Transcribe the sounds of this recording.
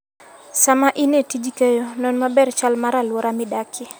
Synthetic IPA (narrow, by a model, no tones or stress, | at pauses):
samaʔinetid͡ʒikejonɔnmabɛrt͡ʃalmaɾalwɔɾamɪdakʰɪ